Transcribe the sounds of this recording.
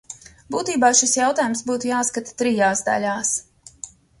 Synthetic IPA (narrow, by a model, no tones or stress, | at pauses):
buːt̪iːbaːʃisjawt̪aːjumsbuːt̪ujaːskat̪ḁt̪ɾijaːsd̪a̰lʲaːs